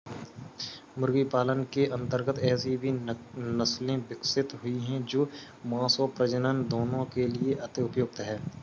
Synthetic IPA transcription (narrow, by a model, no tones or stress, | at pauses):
mʊɾɡipaːlənkeʔɐ̃nt̪əɾɡət̪ɛːsibʱinɐslẽbɪksɪt̪ɦʊiɦɛ̃d͡ʒoː | mãːsoːpɾəd͡ʒənənd̪oːnõkelieʔɐt̪ɪʊpjoːɡ̚t̪ɦɛː